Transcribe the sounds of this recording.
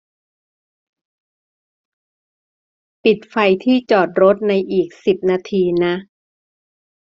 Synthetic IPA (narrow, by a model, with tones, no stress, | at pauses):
pi˨˩t̪̚fa˧jt̪ʰiː˥˩t͡ɕɔː˨˩t̪̚ɾo˦˥t̪̚na˧jʔiː˨˩k̚si˨˩p̚naː˧t̪ʰiː˧na˦˥ʔ